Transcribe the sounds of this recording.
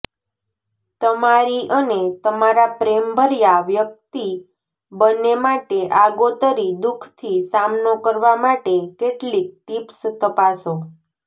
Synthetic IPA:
t̪əmaɾiʔənet̪əmaɾapɾembʱəɾjaʋjək̚t̪i | bənːemaʈeʔaɡot̪əɾid̪ukʰt̪ʰisamnokəɾʋamaʈekeʈlik̚ʈipst̪əpaso

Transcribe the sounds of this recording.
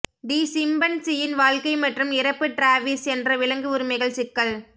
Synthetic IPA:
ɖiːsɪmbɐnsɪjɪnʋaːɻkɐɪmɐʈrɯmɪɾɐpːɯʈɾaːʋisɛndrɐʋɪɭɐŋɡɯʊɾɯmɐɪɣɐɭsɪkːɐɭ

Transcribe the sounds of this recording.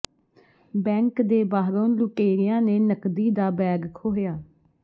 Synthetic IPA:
bɛ̃ːŋkd̪eːbaːɦɾõːnlʊʈeːɾɪjãːneːnəkd̪iːd̪aːbɛːɡkʰoːɦjaː

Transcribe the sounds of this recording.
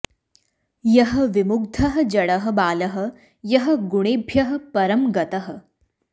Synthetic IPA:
jɐɦɐ̆ʋimuɡ̚d̪ʱɐɦɐ̆d͡ʒɐɽɐɦɐ̆baːlɐɦɐ̆ | jɐɦɐ̆ɡuɽ̃eːbʱjɐɦɐ̆pɐɾɐmɡɐt̪ɐɦ̆

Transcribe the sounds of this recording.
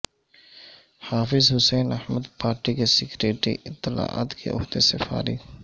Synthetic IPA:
haːfɪzɦʊsɛːnɐhməd̪paːɾʈikesɪkɾeːʈɾḭʔɪt̪ːɪla̰ːa̰ːt̪kʰḛʔʊ̰ɦd̪esɪfa̰ːɾɪ

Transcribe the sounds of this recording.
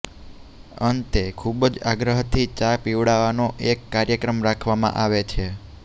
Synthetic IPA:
ənt̪ekʰubd͡ʒaɡɾəɦt̪ʰit͡ʃapiʋɽaʋanoʔekːaɾjəkɾəmɾakʰʋamã̰ʔaʋet͡ʃʰe

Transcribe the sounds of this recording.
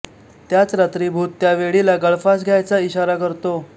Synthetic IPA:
t̪jat͡sɾat̪ɾiːbʱuːt̪ːjaʋeɭilaɡəɭfas̬ɡʱjajt͡saiɕaɾakəɾt̪o

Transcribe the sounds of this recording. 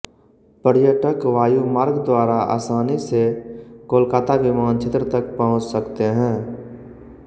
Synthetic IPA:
pəɾjəʈəkʋaːjumaːɾɡd̪waːɾaa̰ːsaːnisekoːlkaːt̪aʋɪmaːnt͡ʃʰet̪ɾət̪əkpəɦʊ̃t͡ʃsəkt̪eɦɛ̃ː

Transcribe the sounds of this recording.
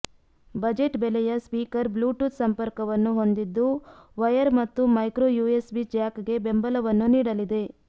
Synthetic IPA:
bɐd͡ʒe̞ʈbelɛjɐspiːkɐɾbluːʈut̪sɐmpɐɾkɐʋɐnːuɦo̞nd̪id̪ːuʋɐjɐɾmɐt̪ːumɐjkɾoːjuːesbid͡ʒaːkɡe̞be̞mbɐlɐʋɐnːuniːɽɐlid̪e̞

